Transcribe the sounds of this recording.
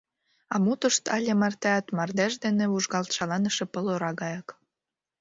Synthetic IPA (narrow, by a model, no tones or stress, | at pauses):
ɑmut̪ə̆ʃt̪ɑlʲemɑrt̪ɑt̪mɑrd̪æʃd̪eneβuʒɣɑlt̪ʃɑlɑnə̆ʃĕpəloɾɑɣɑjɑk